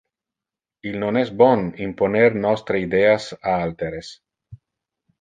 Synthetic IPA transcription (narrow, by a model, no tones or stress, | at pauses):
ilnonesbonimponeɾnɔst̪ɾeid̪easaalt̪eɾes